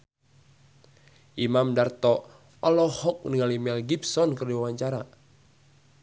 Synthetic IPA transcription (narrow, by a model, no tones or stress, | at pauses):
ʔimamdart̪ɔ | ɔlɔhɔk̚niŋalimɛlɡipsɔnkərdiwawaɲt͡ʃaɾa